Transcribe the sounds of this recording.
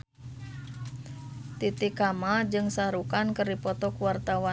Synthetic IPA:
t̪it̪ikamad͡ʒɨŋsaɾukankərdipɔt̪ɔkuwart̪awa

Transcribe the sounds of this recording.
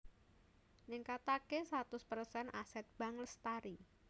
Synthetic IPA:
nɪŋkat̪akesat̪ʊspərsɛnʔasɛt̪̚b̥aŋləst̪aɾi

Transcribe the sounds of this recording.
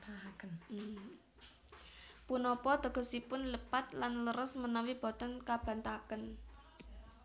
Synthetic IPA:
akən | punɔpɔd̪̥ə̤ɡ̥ɔ̤sipʊnləpat̪̚lanləɾəsmənawib̥ɔ̤t̪ɔnkab̥ä̤nt̪akən

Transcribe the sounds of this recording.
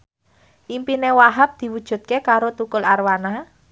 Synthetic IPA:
ʔimpinewaɦap̚d̪̥i̤wud̥ʒ̥ṳt̪̚kekaɾot̪ukʊlarwana

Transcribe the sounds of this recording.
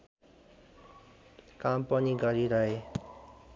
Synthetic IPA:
kampʌniɡʌɾiɾʌɦe

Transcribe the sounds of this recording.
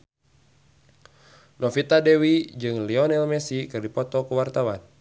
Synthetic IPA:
nɔfit̪adɛwid͡ʒɨŋliɔnɛlmɛsikɨrdipɔt̪ɔkuwart̪awan

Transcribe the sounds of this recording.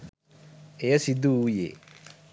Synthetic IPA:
eɐsid̪uujḛ

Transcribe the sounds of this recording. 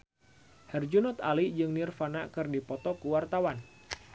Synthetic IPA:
hɛrd͡ʒunɔt̪alid͡ʒɨŋnirfanakɨrdipɔt̪ɔkuwart̪awan

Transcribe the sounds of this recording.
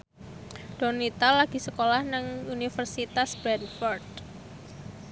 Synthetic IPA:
d̥ɔnit̪alaɡ̥i̤səkolahnaŋunifərsit̪asbɾɛdfɔrd̪

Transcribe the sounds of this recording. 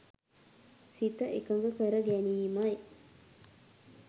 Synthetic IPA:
sit̪əʔekəŋɡəkəɾəɡæniːmɐj

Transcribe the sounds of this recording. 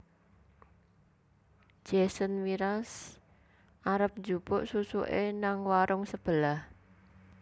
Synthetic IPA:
d͡ʒ̥ɛsənwiɾas | ʔaɾəp̚ɲd͡ʒupʊʔsusuʔenaŋwaɾʊŋsəb̥əlah

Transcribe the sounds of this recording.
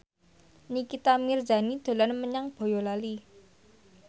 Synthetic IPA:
nikit̪amird͡ʒa̤nid̪̥o̤lanməɲaŋb̥o̤jɔlali

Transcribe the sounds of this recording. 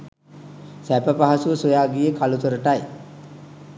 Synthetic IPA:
sæpəpaɦasuəsojaːɡijəkʰalut̪oɾəʈaj

